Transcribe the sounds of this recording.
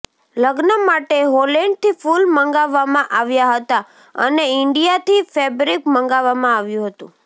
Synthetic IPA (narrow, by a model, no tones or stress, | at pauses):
ləɡnəmaʈeɦoleɳɖ̚t̪ifulməŋɡaʋːamãʔaʋjaɦət̪a | ə̰neɪɳɖijat̪ifɛbɾikmə̃ŋɡaʋːamãaʋjũɦət̪ṵ̃